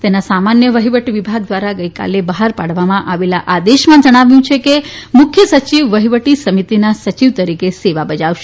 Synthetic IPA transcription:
t̪enasamanjəʋəɦiʋəʈiʋibʱaɡ̚d̪ʋaɾaɡəjka̰lebəɦaɾpaɽʋamãʔaʋela̰ʔad̪eʃmãd͡ʒəɽ̃aʋjũt͡ʃʰekemʊkʰjəsət͡ʃiʋːəɦiʋəʈisəmit̪inasət͡ʃiʋt̪əɾikeseʋabəd͡ʒaʋʃe

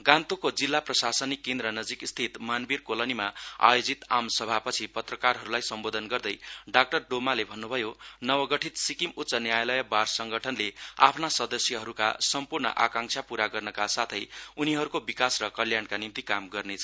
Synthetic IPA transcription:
ɡãnt̪okod͡zilːaprʌsasʌnikːend̪ɾʌnʌd͡zikst̪ʰit̪manbirkolʌnimaa̰jod͡zit̪amsʌbʱapʌt͡sʰipʌt̪rʌkarɦʌɾulajsʌmbod̪ʱʌnɡʌrd̪ʌjɖak̚ʈʌrɖomalebʱʌnːubʱʌjonʌbʌɡʌʈʰit̪sikimut̪ːsʌnjajalʌjʌbarsʌŋɡʌʈʰʌnlea̰pʰnasʌd̪ʌsjʌɦʌɾuka̰sʌmpurnʌ̰ʔakãŋsʰapuɾaɡʌrnʌkasat̪ʰʌjuniɦʌɾukobikasrʌkʌljankanimt̪ikamɡʌrnet͡sʰ

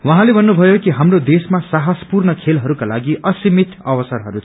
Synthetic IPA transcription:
wʌɦãlebʱʌnːubʱʌjokiɦamrod̪esmasaɦʌspurnʌkʰelɦʌɾukalaɡiʔʌsimit̪ʌwʌsʌrɦʌɾu

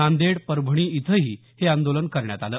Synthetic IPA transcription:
ãnd̪eɽpəɾbʱəɳ̃iːit̪ʰəɦiː | heand̪olənkəɾɳja̰t̪aləː

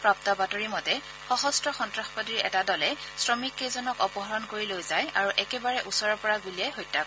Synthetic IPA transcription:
pɹap̚tabatɔɹimɔtɛ | xɔɦɔstɹɔxɔntɹaxpɔdiɹɛ̰tadɔlɛsɹɔmikːezɔnɔkɔpɔɦɔɹɔnkoɹilojzajaɹuʔɛkɛbaɹɛʔusɔɹɔpɔɹaɡuliɛɦojtːakɔ

